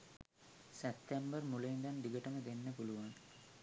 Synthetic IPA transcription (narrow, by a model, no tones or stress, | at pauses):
sept̪ːembərmuluind̪and̪iɡəʈəməd̪enːəpuluʋaŋ